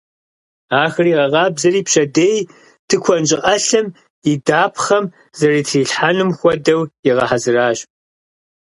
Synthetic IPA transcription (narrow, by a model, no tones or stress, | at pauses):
aːxɨriːʁɐʁɑːbzɐɾiːpɕɐdeːj | tʰɨkʷʰɔnd͡ʒʼɪʔɐɬɐm | idaːpʰχɐm | zɐriːtʰriːɬħanɨmxʷɔdɐwjɪʁɐ̰ħazɨraːɕ